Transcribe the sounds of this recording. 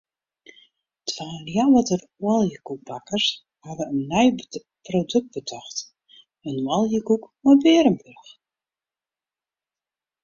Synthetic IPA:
tʰʋaːljawətər | walˠjəkuk̚bakərs | hadəənːɛj | prodøk̚t̚b̥ətʰɔxt | ənwalˠjəkukmɔbɪəɾəmbørx

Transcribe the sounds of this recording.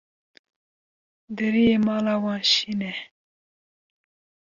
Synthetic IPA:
d̪əɾimɑlawɑɕine

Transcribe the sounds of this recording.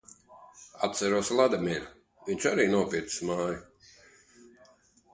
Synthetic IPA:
at̪sæɾuɔslˠad̪amʲiɛlʲu | viɲʲt͡ʃaɾiːnuɔpʲiɾt̪i̥smaːju

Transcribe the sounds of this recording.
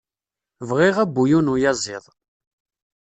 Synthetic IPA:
vʁɪʁæbːujunujɑzˤɪðˤ

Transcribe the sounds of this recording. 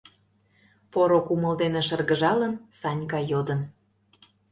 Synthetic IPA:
poɾokumə̆ld̪eneʃərɣə̆ʒɑlənsɑnʲkɑjod̪ən

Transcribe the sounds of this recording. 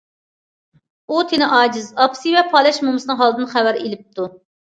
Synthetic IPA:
ut̪ʰenɪʔɑːd͡ʒɪzɑpsivɛpʰɑːlˠɛʃmumɨsɨnɨŋɦɑlˠd̪ɨnχæwæɾelɪp̚t̪ʰu

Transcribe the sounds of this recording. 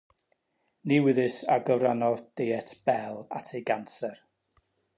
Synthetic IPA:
niwɪðɨsaɡəvɾanɔðd̥ejɛtʰb̥ɛlˠa̰tʰeɡansɛr

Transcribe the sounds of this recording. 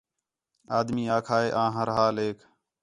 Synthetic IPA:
aːd̪miːaːkʰaːeːʔãːɦəɾɦaːleːkʰ

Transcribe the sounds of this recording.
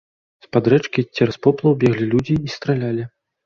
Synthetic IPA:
spad̪ɾɛt͡ʂkʲit͡sʲːɛɾaspɔplˠɐwbʲɛɣlʲilʲud͡zʲiːst̪ɾalʲalʲi

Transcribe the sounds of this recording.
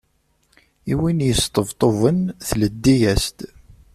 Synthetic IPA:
iwinjəst̪ˤəvt̪ˤovənθləd̪ːijæst̪

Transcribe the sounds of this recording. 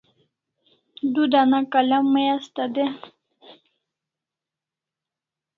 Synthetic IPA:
d̪ud̪anakalamːəjast̪ad̪e

